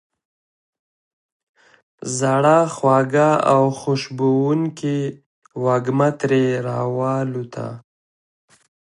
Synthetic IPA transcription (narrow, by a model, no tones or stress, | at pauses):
zaɽaxwɑɡaawxoʃbowuŋki | waɡmat̪ɾeɾɑwɑlut̪ʰa̰